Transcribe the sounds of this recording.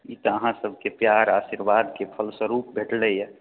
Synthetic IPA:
it̪ɔəɦãsəbʱkepjaɾaːsiɾʋaːd̪kepʰəlsəɾuːp̚bʱeʈlejɛ

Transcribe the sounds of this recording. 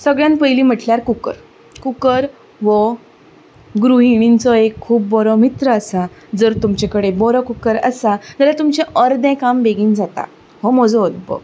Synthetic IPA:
səɡɭjãnpəjliːm̤əʈljaɾkukə̰ɾ | kukəɾ | ʋə | ɡɾuɦiɽ̃int͡sɔekʰːuːbːɔɾɔmit̪ɾəəsad͡zəɾt̪umt͡ɕekəɽebɔɾɔkukəɾəsad͡zəlat̪umt͡ɕɛʔəɾd̪ɛ̃kambeɡiːnd͡zat̪a̰ | ɦɔmɔd͡zɔod̪̚bə̰

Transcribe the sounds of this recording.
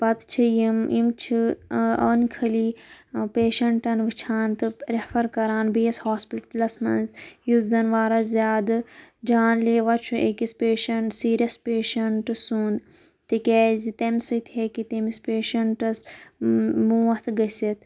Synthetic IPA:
pɐt̪t͡ʃʰijimimt͡ʃʰiɐ̰ːnkʰɐliːpeːʃɐɳʈɐnʋɨt͡ʃʰaːnt̪ɨɾɐfʰɐɾkɐɾaːnbiɐshaːspiʈɐlɐsmɐ̰nzjuzɐnʋaːɾɐzʲjaːd̪ɨd͡ʒaːnleːʋɐt͡ʃʰuʔekispeːʃɐɳʈsiːɾiɐspeːʃɐɳʈɨsũːnd̪ | t̪ikʲɛːzit̪ɐmsɨt̪ʰekit̪emispeːʃɐɳʈɐs | muːɐt̪ʰɡɐsʲit̪ʰ

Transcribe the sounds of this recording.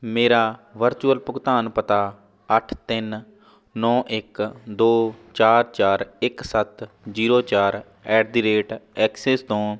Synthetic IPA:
meːɾaːʋəɾt͡ʃuːəlpʊkt̪aːnpət̪aː | əʈʰt̪ɪn | nɔːʔɪkd̪oːt͡ʃaːɾt͡ʃaːɾɪksət̪ | d͡ʒiːɾoːt͡ʃaːɾ | ɛːɖd̪iːɾeːʈɛːkseːst̪õː

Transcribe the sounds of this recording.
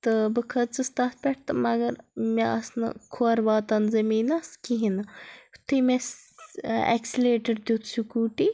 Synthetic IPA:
t̪ɨbɨkʰɐt͡sɨst̪aːt̪̚ʰpʲeʈʰt̪ɨmɐɡɐɾmeʔɐsnɨ̰kʰuɐɾbaːt̪ɐnzɐmiːnɐskiɦinɐt̪ʰːimes | ḛksileːʈɐɖd̪ut̪sukuːʈi

